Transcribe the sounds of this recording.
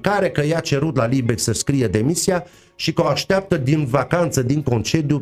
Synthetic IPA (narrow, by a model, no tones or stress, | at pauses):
kaɾe̞kəjat͡ʃe̞ɾut̪lalibekʲsəskɾije̞d̪e̞misia | ʃikəoaʃt̪eap̚t̪əd̪invakant̪səd̪iŋko̞nt͡ʃe̞d̪ju